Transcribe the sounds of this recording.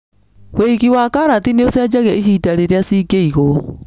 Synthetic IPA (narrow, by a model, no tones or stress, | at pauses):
wweiɣiwakaɾatineosjad͡ʒaɣɛʔiɦidaɾeɾeasikeiɣo